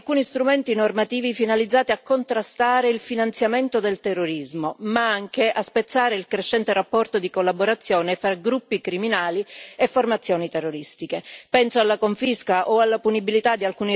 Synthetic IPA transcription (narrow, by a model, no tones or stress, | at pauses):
alkuːnist̪ɾumɛnt̪inormat̪iːvifinalid̪zːaːt̪iakːont̪ɾast̪aːɾeilfinant̪sjament̪od̪elt̪ɛrːoɾizmomaaŋkeʔaspet̪sːaːɾeilkɾeʃːɛnt̪eɾapːɔrt̪od̪ikolːaboɾat̪sːjɔːnefɾaɡɾupːikɾiminaːliefːormat̪sːjɔːnit̪ɛrːoɾist̪ikepɛnsoalːakoɱfiskaʔoalːapunibilit̪ad̪ːialkuːni